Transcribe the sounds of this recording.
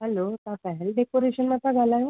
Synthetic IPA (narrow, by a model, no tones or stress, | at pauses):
ɦɛlot̪ãpɛɦelɖekoɾeɕənmət̪aɡʱalaɦeo